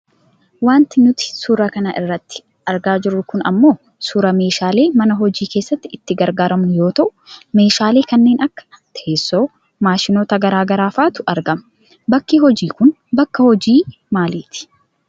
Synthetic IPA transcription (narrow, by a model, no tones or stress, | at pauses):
waːnt̪ɪnʊt̪ɪ̥suɾɐkɐnɐʔɪrːɐt̪ːɪ̥ | ɐɾɡaːd͡ʒɪɾːʊkʊnɐ̰mːo̞ː | suːɾɐme̞ːʃaːle̞ːmɐnɐɦɔd͡ʒiːkeːsːɐt̪ːɪɪt̪ːɪɡɐɾɡaːɾɐmnjo̞ːt̪ɐʔʊ̥me̞ːʃaːle̞ːkɐnːe̞ːnɐkːɐ̥ | t̪ɐʔeːsːo̞ː | maːʃɪnoːt̪ɐɡɐɾaːɡɐɾaːfaːt̪ʊɐɾɡɐm | bɐkːiːhɔd͡ʒiːkʊn | bɐkːɐhɔd͡ʒiː | maːleːt̪ɪ̥